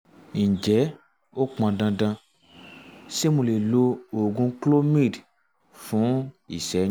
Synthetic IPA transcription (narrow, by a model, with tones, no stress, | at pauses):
n̩˨d͡ʒɛ˨˦ | o˦k͡pã˧dã˧dã˧ | se˦mũ˧le˨lo˧o˨ɡũ˧klo˦mi˦˨d | fũ˨˦ | i˨sɛ˨˦